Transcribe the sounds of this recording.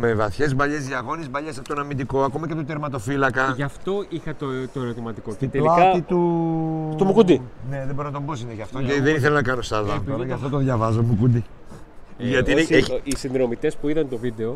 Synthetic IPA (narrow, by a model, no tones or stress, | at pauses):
mevɐθçe̞zbɐʎe̞ziɐɣo̞nezbɐʎest̪onɐmind̪iko̞ɐko̞mɐcet̪ot̪eɾmɐt̪o̞filɐkɐʝɐft̪o̞ixɐt̪ot̪oeɾo̞t̪imɐt̪iko̞cet̪elɐit̪u | t̪omukud̪ine̞ðeboɾonɐt̪o̞mbosineʝɐft̪oʝɐt̪iðeniθelonɐkɐno̞st̪ɐðɐpʝɐft̪ot̪oðʝɐvɐzomukud̪i | ʝɐt̪ineeisinðɾo̞mit̪e̞spuiðɐnt̪ovid̪e̞o̞